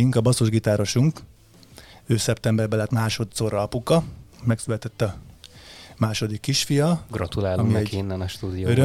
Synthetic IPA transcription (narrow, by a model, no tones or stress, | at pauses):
iŋkɒbɒso̞ʒɡit̪aːɾo̞ʃuŋk | øːsɛpt̪ɛmbɛrbɛlɛt̪maːʃo̞t̪soːɾɒɒpukɒmɛksylɛt̪ɛt̪ːɒ | maːʃo̞d̪ikːiʃfijɒɡrɒt̪ulaːlomiɛkeːnːɛnɒʃt̪uːd̪ijoøɾø